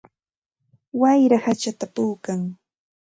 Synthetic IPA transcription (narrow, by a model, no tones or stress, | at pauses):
wajɾahat͡ʃat̪apuːkaŋ